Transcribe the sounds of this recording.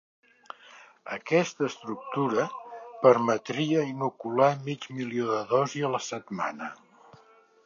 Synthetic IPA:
əkɛst̪əːst̪ɾuk̚t̪uɾəpəɾmət̪ɾiəinukulamid͡ʒmilioðəðɔziələsət̪ma̰nə

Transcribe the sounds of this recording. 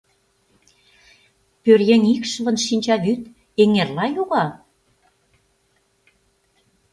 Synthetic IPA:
pørjenʲikʃəβɤ̆nʃinʲt͡ɕɑβyt̪̚ | eŋerlɑjuɣɑ

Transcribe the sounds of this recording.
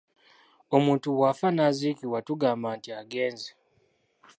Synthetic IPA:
o̞muːntuwaːfanazikiwatuɡaːmbaːntiaɡe̞ːnze

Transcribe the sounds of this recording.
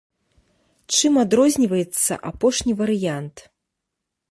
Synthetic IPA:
t͡ʂɨmad̪ɾɔzʲnʲivɐjɛt̪sːɐ̰ʔapɔʂnʲivɐɾɨjant̪

